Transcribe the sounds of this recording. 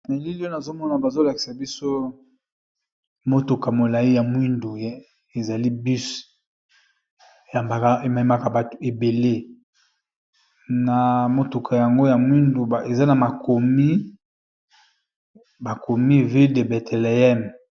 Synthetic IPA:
me˨li˦li˦o˦na˨zo˦mɔ˦na˨ba˨zo˦la˨ki̥˨sa˨bi˦so˦ | mo˦to˨ka˨mo˨la˨i˦ja˨mwi˦ndu˨j | e˨za˨li˦bi˦s | ja˨mba˨ka˦e˨ma˨i˦ma˦ka˨ba˨to̥˨e˨be˨le˦ | na˨mo˨to˨kʰa˨ja˨ŋɡo˦ja˨mwi˦ndu˨a˨e˨za˦na˨ma˨ko˨mi˦ | ba˨ko˨mi˦vi˦de˨bɛ˨tɛ˨le˨ɛ˦m

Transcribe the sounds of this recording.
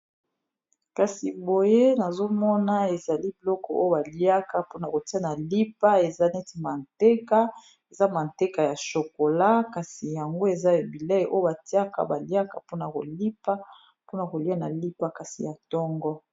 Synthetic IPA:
ka˨si˨bo˨je˦na˨zo˦mɔ˦na˦e˨za˨li˦bi˨lɔ˦kɔ˨o̰˦o˦ba˨li˦a˦ka˦po˦n˨a˨ko˨ti˦a˦na˨li˦pa˦e˨za˦nɛ˦ti˨ma˨nte˦ka˦ | e˨za˦ma˨n˨te˦ka˨ja˨ʃo˨ko˨la˦ka˨si˨ja˨ŋɡo˦e˨za˦e˨bi˨lɛ˦˨˦ʔo˦jo˦ba˨ti˦a˦ka̰˦ba˨lja˦ka̰˨po˦na˨ko̰˨li˦pa˦ | po˦na˨ko˨li˦a˦na˨li˦pa˦ka˨si˨ja˨tɔ˦ŋɡɔ˦

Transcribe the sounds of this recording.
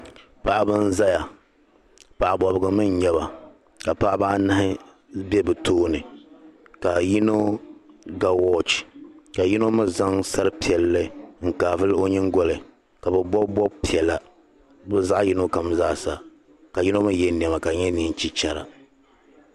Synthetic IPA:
pa˨ʔa˦bɨ˦n˦za˦ja˨ | pa˨ʔa˨bɔ˨bɨ˨ɡɨ˨mɨ˦ɲɲɛ˦βa˨ | ka˨pa˦ʔa˦ba˦ʔnɨ˦hɪ˦ | bɛ˦bɨ˨toː˦nɨ˨ | ka˨ji˦no˦ | ɡa˦wɔ˦t͡ʃka˨ji˦no˦mɨ˦za˦ŋsa˦ɾɨ˦pi˨ɛ˨lːɨ˦ŋ̩˨kaː˨vɨ˦lo˦ɲɨ˦ŋɡɔ˦lɨ˨ | ka˨bɛ˨bɔ˦bɔ˦pi˨ɛ˨la˨ | bɨ˦za˦ʔji˦no˦ka˨mzaː˦˨sa˨ | ka˨ji˦no˦mɨ˦jɛ˦n˨ɛ˨ma˨ka˨ɲɛ˦ni˦n˦t͡ʃi˦t͡ʃa˨ɾa̰˨

